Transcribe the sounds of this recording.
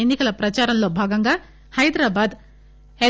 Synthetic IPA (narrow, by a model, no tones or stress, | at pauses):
enːikɐlɐpɾɐt͡ʃaːɾɐnloːbʱaːɡɐŋɡaː | hɐjd̪ɾaːbaːd̪ | e